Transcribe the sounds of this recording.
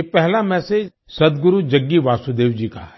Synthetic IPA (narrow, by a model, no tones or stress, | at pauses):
epɛɦlamɛ̃ːse | sɐd̪ɡʊɾud͡ʒɐɡːiʋaːsud̪eːʋd͡ʒikaɛ